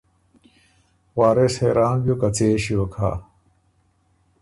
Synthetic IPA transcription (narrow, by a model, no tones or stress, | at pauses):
waːɾesheːɾaːnbjokɐt͡seːɕiokʰa̰ː